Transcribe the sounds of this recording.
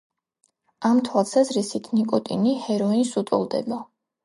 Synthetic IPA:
amt̪ʰwalˠsazɾisit̪ʰnikʼɔt̪ʼḭnihɛɾɔinsut̪ʼɔ̰lˠd̪ɛ̰ba

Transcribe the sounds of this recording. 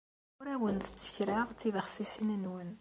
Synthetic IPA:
ʊɾæwənt̪ət͡sːə̥çɾaʁt͡sːiðəχsisənənwən

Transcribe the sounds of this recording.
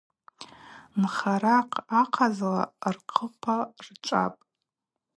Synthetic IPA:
mχaɾaqʰʼaqʰazla̰rqʰəpʰart͡ʃʷʼa̰pʼ

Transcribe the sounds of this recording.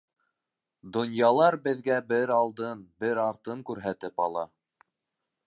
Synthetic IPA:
d̪ŏnjɑlˠɑɾbɘ̆ðɡæbɘɾɑlˠd̪ɤnbɘɾɑɾt̪ɤŋkʉɾɦæt̪ɘpɑlˠɑ

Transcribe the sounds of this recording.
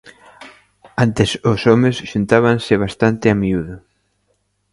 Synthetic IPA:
ant̪ɪsʊsɔmesʃunt̪aβaŋsɪβ̞ast̪ant̪ɪamiuðʊ

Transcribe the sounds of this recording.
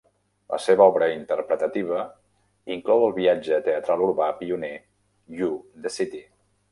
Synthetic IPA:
lə̰seβəɔβɾəint̪əɾrpɾət̪ət̪iβ̞ə | iŋklɔwəlˠβiad͡ʒət̪eət̪ɾalˠuɾβapiune | jud̪əsit̪i

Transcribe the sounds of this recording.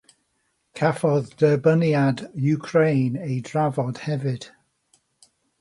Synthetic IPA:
kʰafɔðd̥əbəniadjukʰɹejnejdɹavɔd̥hɛvɪd̥

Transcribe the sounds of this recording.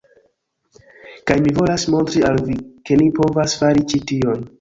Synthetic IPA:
kajmivo̞lasmo̞ntɾialvike̞nipo̞vasfaɾit͡ʃitio̞n

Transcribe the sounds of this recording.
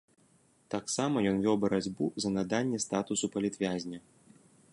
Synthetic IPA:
t̪aksamɐjɔnvʲɔwbɐɾad͡zʲbuzɐnɐd̪anʲːɛst̪at̪usupɐlʲit̪vʲazʲnʲɐ

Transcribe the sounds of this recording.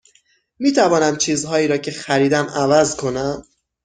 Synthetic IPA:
iːt̪ʰævɒːnæmt͡ʃʰiːzɦɒːiːɾɒːcʰe̞xæɾiːd̪æmævæzkʰo̞næm

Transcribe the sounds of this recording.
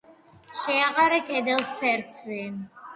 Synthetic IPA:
ʃɛaʁaɾɛkʼɛd̪ɛlˠst̪ʰɛɾt̪sʰvɛːm

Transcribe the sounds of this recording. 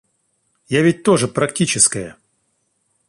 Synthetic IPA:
javʲɪt̚ʲt̪o̞ʐɨpɾɐktʲit͡ɕɪskəjə

